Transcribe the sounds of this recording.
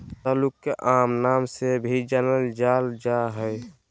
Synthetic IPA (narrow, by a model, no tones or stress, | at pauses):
t̪aːlʊkːeʔaːmnaːmsebʱid͡ʒənəld͡ʒaːld͡ʒaɦɛj